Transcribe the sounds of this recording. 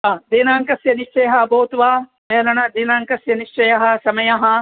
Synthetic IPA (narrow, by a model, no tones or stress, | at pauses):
aːd̪iːnaːŋkɐsjɐniʃt͡ʃɐjɐɦɐɐboːt̪uʋaː | meːlɐɳɐd̪iːnaːŋkɐsjɐniʂt͡ʃɐjɐɦɐ̆sɐmɐjɐɦɐ